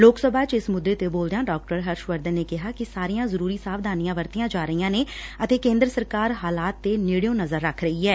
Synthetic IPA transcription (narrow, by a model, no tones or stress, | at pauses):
loːksəbʱaːt͡ʃɪsmʊd̪ːeːt̪eːboːld̪ejaːɖaːk̚ʈəɾɦəɾʃʋəɾd̪ənːeːkɪɦaːkɪsaːɾijãːzəɾuːɾiːsaːʋd̪aːnijãːʋəɾt̪ijãːd͡ʒaːɾəiːãːneːət̪eːkẽːnd̪ɾəsəɾkaːɾɦaːlaːt̪ːeːnɪɽijõːnəzəɾːəkʰɾəiːɦɛː